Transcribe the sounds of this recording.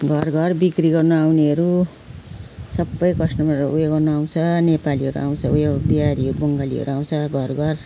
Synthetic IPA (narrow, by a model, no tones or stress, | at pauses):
ɡʱʌrɡʱʌrbikriɡʌrnuawneɦʌɾu | sʌbːʌjkʌsnʌmaujeɡʌrnuaw̃t͡sʰʌnepaliɦʌɾuʔa̰w̃t͡sʰʌujbiaɾiɦʌɾubʌŋɡaliɦʌ̰ɾuaw̃t͡sʰʌɡʱʌrɡʌr